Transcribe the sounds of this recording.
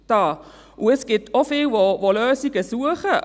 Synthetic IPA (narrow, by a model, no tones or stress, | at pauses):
d̥ɑː | ʔʊɛsɡ̥ɪtʰofɪːlʋoʋoløːsiɡəsuəχə